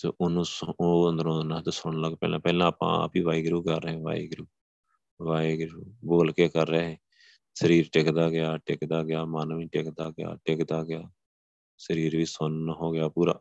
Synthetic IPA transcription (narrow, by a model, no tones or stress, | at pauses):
t̪ḛːʔʊnũːsoːənd̪əɾõːd̪nãːt̪eːsʊɳ̃ləɡpɛ̰ːlãːpɛːlãːaːpã̰ːa̰ːpiːʋaːiːɡɾuːkəɾːẽːʋa̰ːḭːɡɾuː | ʋaːiɡɾuːboːlkeːkəɾːɛːɦẽː | səɾiːɾʈɪkd̪aːɡɪjaːʈɪkd̪aːɡɪjaːmaːnʋiːʈɪkd̪aːɡɪja̰ːʈɪkd̪aːɡɪjaː | səɾiːɾʋiːsʊnɦoːɡɪjaːpuːɾa̰ː